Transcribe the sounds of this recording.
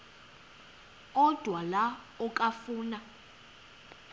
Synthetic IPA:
ɔd̥ʱwala | ɔkʼafuːna

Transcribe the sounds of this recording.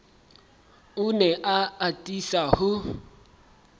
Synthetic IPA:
ʊnɛʔaatʼisahʊ

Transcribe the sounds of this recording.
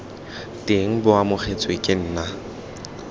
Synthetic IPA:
tʼeŋ̩bʊamʊχʰet͡sʼwekʼɪn̩ːna

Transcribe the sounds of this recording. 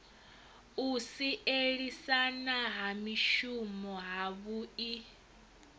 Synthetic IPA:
usiʔeɺisanaɦamiʃumɔɦaβui

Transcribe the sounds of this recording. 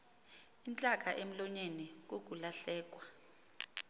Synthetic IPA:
int͡ɬʼak̬ʼaʔem̩lɔɲenik̬ok̬ulaɬɛːk̬wa

